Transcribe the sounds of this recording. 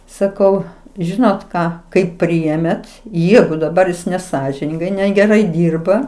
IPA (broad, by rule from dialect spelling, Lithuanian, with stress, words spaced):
sɐˈkɐʊ ˈʒʲɪnoːt ˈkɑː kɐɪp ˈpʲrʲɪeːmʲeːt ˈjæːɡʊ dɐˈbɐr nʲɛˈsɑːʒʲɪnʲɪŋɡɐɪ nʲɛɡʲɛˈrɐɪ ˈdʲiːrbɐ